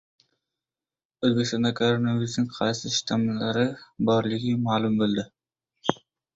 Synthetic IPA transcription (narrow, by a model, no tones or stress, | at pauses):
ɵzbekʲist̪ɑnd̪ɑkʰoɾonavijʊsnɪŋqʰɑjsɪʃt̪ʰamlaɾɪbɒɾlɪɡʲɪmaːlˠʊmbolˠd̪ɪ